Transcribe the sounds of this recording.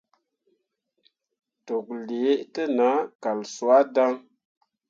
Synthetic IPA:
to˨k̚le˨e˦ʔtə˦na˨˦ka˨lsu˦a˦da˦ŋ

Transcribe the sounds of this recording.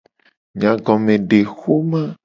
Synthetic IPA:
ɲã˨ɡɔ̃˨mẽ˨ɖe˨xo˦mã˦

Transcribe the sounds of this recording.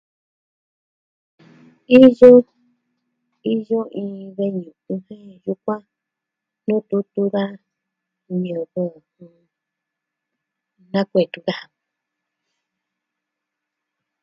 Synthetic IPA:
i˦jo˦ | i˦jo˦ʔĩ˧βe˧ɲũ˨ũ˧hẽ˦ju˧˦kʷã˦ | nũ˦t̪u˧˦t̪u˧ða˦ | mĩ˨ũ˨ɣo˦˨hũ˧ | nã˦kʷe˨t̪u˧ða˦a˧

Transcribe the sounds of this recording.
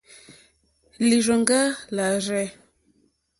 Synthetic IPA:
li˨ɾə˨ŋɡa˦la˨ɾɛ˦

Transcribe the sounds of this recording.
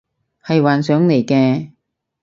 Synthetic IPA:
hɐ˨jwaː˨nsœː˨˥ŋle˨˩jkɛː˧

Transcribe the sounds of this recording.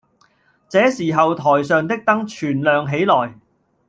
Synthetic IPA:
t͡sɛː˨˥siː˨˩ɦɐ˨wt̪ʰɔː˨˩jsœː˨˧ŋt̪ɪ˥k̚t̪ɐ˥ŋt͡ʃʰyː˨˩nlœː˨ŋɦe˨˥jlɔː˨˩j

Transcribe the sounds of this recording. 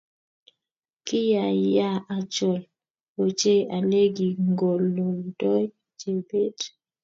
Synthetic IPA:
kɪ˦ja˨ja˦˨ʔa˨t͡ʃɔ˨l | o˨t͡ʃe˦ʔa˨le˦ɡi˨ŋɡo˨lːo˨ldɔ˦j | d͡ʒe˨be˦d

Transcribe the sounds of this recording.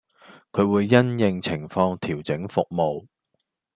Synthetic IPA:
kʰɵ˨˧ɥwuː˨˧jːɐ˥njɪ˨˧ŋt͡sʰɪ˨˩ŋfɔː˧ŋt̪ʰiː˨˩wt͡sɪ˨˥ŋfʊ˨k̚mo˨w

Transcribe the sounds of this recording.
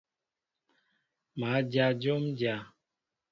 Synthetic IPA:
ma˨˦d͡ʒja˧d͡ʒo˦md͡ʒa˨

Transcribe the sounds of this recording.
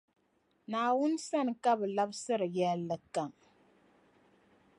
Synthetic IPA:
naː˨wʊ˦nsa˦˨n˨ka˦bɨ˨la˦bsɨ˦ɾɨ˨jɛ˦lːɨ˨ka˨ŋ

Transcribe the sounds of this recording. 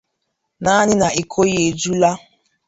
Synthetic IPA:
na˦ɲɪ˦na˨i˨kʰo˦je˨d͡ʒu˦la˦

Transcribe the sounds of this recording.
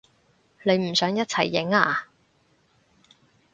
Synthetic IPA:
le˨˧jm̩˨˩sœː˨˥ŋjɐ˥t̚t͡sʰɐ˨˩jːɪ˨˥ŋaː˧˩

